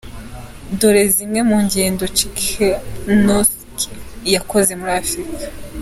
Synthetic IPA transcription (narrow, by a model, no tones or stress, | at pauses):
doɾe̞zimŋe̞muːɲɟeːndo̞t͡ʃikenos | ki̥jako̞ze̞muɾiafɾikḁ